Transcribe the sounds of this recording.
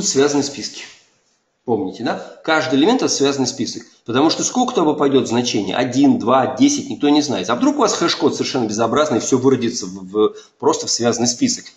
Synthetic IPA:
bt̪svʲazənəspʲiskʲɪ̥ | po̞mnʲɪtʲɪd̪akaʐd̪ɨɪjɪlʲɪmʲent̪ɛt̪ə̥svʲazənɨjspʲisək | pət̪ɐmuʂt̪oskokə̥t̪obəpɐjdʲo̞t̪znɐt͡ɕenʲɪ̰jə̰ʔɐdʲind̪vadʲesʲɪtʲnʲɪk̚t̪onʲɪznaɪt̪ɐvd̪ɾukʊvasxɛʂko̞t̪səvʲɪrʂɛnːəbʲɪzɐbɾaznəɪfsʲovɨɾədʲɪt̪səvvə | pɾo̞st̪əfsvʲazənːɨjspʲisə̥k

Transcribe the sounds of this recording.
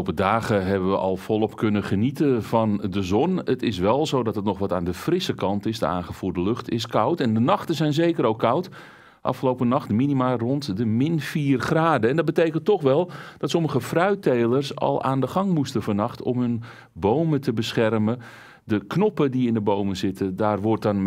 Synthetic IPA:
pədaːɣəɦɛbəʋəʔɑ̰lˠfɔlˠɔpkɵnəχənitəvɑndəzɔnətɪs̬ʋɛlˠzowdɑtət̚nɔχʋɑtaːndəfrɪsəkɑntɪsdəa̰ːnχəfuːdəlɵxtɪskawtɛndənɑχtəzɛjnzejkəɾowkʰːʌwt | ʔɑ̰fχəlowpənɑχtminimaːrɔntdəmɪnfiːrχraːdəɛndɑd̚bətejkəntɔχʋɛlˠd̥ɔtsɔməχəfrœɥtejlˠərsɑ̰lˠa̰ːndəχɑŋmustəfɔnɑχtʰɔ̰mɦɵn | bowmətəbəsχɛrmə | dəknɔpədiɪndəbowməzɪtʰədaːrʋɔrt̚ɑn

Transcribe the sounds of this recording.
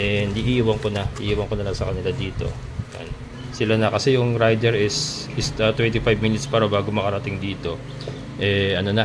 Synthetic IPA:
ʔɛhɪnd̪iʔiːwɐŋkonɐʔiːwɐŋkonɐlɐsɐkɐnɪlad̪iːt̪o̞̰ | ja̰n | sɪlanɐkɐsɛjʊŋɾajd̪ɛɾɪs | ɪst̪ɐt̪wɛnt̪ifajbmiːnɪt̪spaːɾɐbaːɡomɐkɐɾɐt̪ɪŋd̪iːt̪o̞ | ʔɛɐno̞nɐ

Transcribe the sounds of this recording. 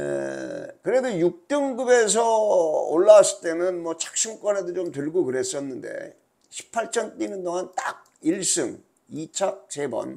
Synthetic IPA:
ḛkɯɾe̞dojuk̚t͈ɯŋɡɯbe̞s̬ʰʌo̰ɭːawas͈ɯɭt͈e̞nɯnmwʌt͡ɕʰḁk̚ɕ͈ʰɯŋk͈wʌnedot͡ɕomtɯɭɡokɯɾe̞s͈ʌnːɯnde̞̰ | ɕʰi̥pʰːaɭt͡ɕʰʌnt͈inɯndoŋant͈aɡ̚ | iɭs͈ɯ̰ŋ | it͡ɕʰak̚se̞bʌ̰n

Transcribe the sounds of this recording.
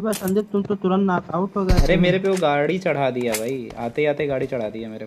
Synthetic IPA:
bɐsɐ̃nd̪eːb̚t̪ʊmt̪ot̪ʊɾə̃nt̪naːkʰaːʋut̪ɦoːɡɐɐɾemeːɾepeʋoɡaːɽit͡ʃɐɽ̤aːd̪ijabʱaːia̰ːt̪eaːt̪eɡaːɽit͡ʃɐɽ̤aːd̪iameːɾep

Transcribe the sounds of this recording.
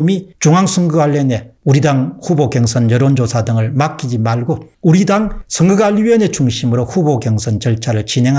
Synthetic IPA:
mit͡ɕuŋaŋsʰɯŋɡɯɡaɭːene̞uɾidaŋɸuboɡeŋsʰʌnjʌɾond͡ʑosʰadɯŋɯɭmak͈id͡ʑimaɭɡouɾidaŋsʰʌŋɡɯɡaʎiene̞t͡ɕuŋɕʰimɯɾoɸuboɡeŋsʰʌnt͡ɕʌɭt͡ɕʰaɾɯɭt͡ɕineŋɦ

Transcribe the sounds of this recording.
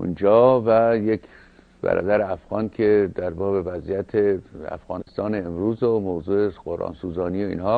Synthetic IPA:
ʔṵnd͡ʒɒːvæjekʰ | b̥æ̰ɾʔɒ̰ːd̪æɾeæfɣɒːnkʰed̪æɾbɒːbe̞væzijæt̪ʰeæ̰fɣɒ̰ːnest̪ɒːneːmɾuːzomoːzuːeɡoɾʔɒ̰ːnsuːzɒːnijoḭːnhɒː

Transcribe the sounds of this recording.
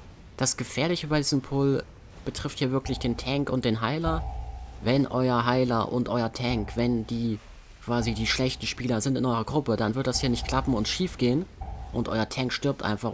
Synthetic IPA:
d̥asɡ̥əfɛːɐlɪçəbaɪdiːzəmpʰʊl | b̥ətʁ̥ɪfthiːɐvɪɐklɪçd̥eːntʰɛŋkʊntd̥eːnɦaɪlɐvɛnʔɔʏɐɦaɪlɐʔʊ̰ntʔɔʏɐtʰɛŋkv̥ɛndiː | kv̥aːzidiːʃlɛçtn̩ʃpiːlɐzɪntɪnʔɔʏʁ̞ɐɡʁʊpədanvɪɐtd̥ashiːɐnɪçt̚kʰl̥apm̩ʊntʃiːfɡ̥eːənʔʊntʔɔ̰ʏɐtʰɛŋkʃtɪɐp̚tʔa̰ɪnfa

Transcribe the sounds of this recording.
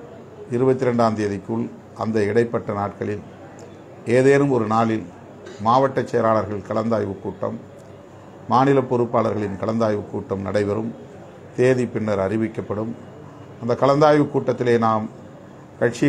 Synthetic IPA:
ɪɾɯbɐt̪ːɪɾɐɳɖaːnd̪eːðɪkːɯɭ | ʔɐnd̪ɐɪɽɐɪpːɐʈːɐnaːʈ̚kɐɭɪl | eːðeːnɯmɔɾɯnaːɭɪl | maːʋɐʈːɐt͡ʃːɛjɐɾaːɭɐɾɣɐɭkɐɭɐnd̪aːjʋɯkːuːʈːɐ̰mː | aːnɪlɐpːɔɾɯpːaːɭɐɾɣɐɭɪnkɐɭɐnd̪aːjʋɯkːuːʈːɐmnɐ̰ɽɐɪʋɐɾɯm | t̪eːðipɪɳːɐɾɐrɪʋɪkːɐpːɐɽɯm | ɐnd̪ɐkːɐɭɐnd̪aːjʋɯkːuːʈːɐt̪ːɪleːnaːm | kɐʈt͡ʃɪ

